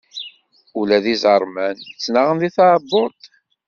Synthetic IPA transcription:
ulæðizəɾˤmænjət͡sːnaʁənðiθɑʕbːoɾˤt̪

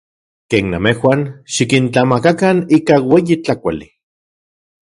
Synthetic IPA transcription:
keːnːamehwʷanʃikint͡ɬamakakaniːkaweːjit͡ɬakʷali

